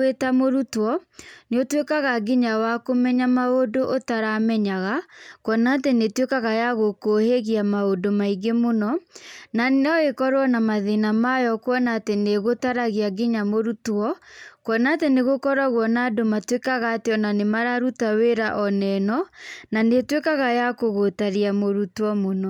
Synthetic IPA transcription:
etamoɾutwɔneotwekaɣaɡiɲawakomɛɲamaodoʔotaɾamɛɲaɣakwɔnaːtenetwekaɣajaɣokoheɣiamaodomaiɡemonɔnanɔɣekɔɾwɔnamaðenamajɔkwɔnaːteneɣotaɾaɣiaɡeɲamoɾutɔkɔnaːteneɣokɔɾaɣwɔnadomatwekaɣateɔnanemaɾaɾutaweɾaʔɔnɛnɔnanetwekaɣajakoɣotaɾiamoɾutɔmonɔ

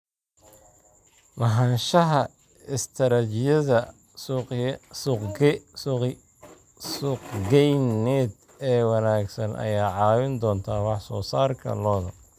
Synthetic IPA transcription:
mɐɦɐnʃɐɦɐ | ɪst̪ʰɐɾɐt͡ʃɪjɐðɐ | sʊqː | sʊqɡɛjnɛːd̪ | ɛːwɑnaːɡsɐnʔɐ̰jaːʕɑːwɪnd̪ɔːnt̪ʰaːwɑħsɔːsaːrkʰɐ̰lɔːðɐ

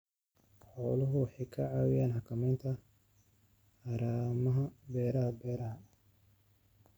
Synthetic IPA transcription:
ħɔːlɐɦʊwħɪkʰɐʕɑːwɪjaːnhɑkʰɐmɛːnt̪ʰɐ | ħaːɾaːmɐɦɐbɛːɾɐɦɐbɛːɾɐɦɐ

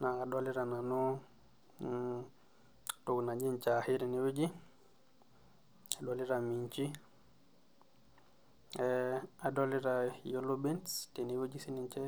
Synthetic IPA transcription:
naadoliɾananɔ | tuɡnad͡ʒint͡ʃahiɾiniwud͡ʒi | adoliɾamiɲt͡ʃi | ɛadoliɾajolubintstiniwud͡ʒisiniɲt͡ʃɛ

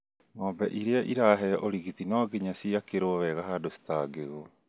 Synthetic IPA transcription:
ŋɔːbɛʔiɾeaʔiɾaɦɛʔoɾiɣitinɔɡeɲasiakeɾoβɛɣaɦadosi̥taɡeɣo

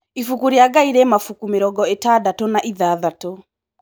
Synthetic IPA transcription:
ifukuɾiaɡaiɾɛːmafukumeɾɔɡɔetadatonaʔiðaːðato

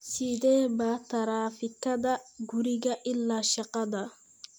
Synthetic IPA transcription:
sid̪ɛːbat̪ɐɾaːfɪkːɐd̪ɐɡuɾɪɡɐʔɪlːaːʃɐqɑd̪ɐ

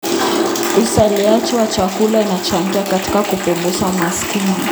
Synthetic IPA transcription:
usaliat͡ʃɛwat͡ʃakulainat͡ʃaŋɡiakati̥kakupɔmbuʃamaskini

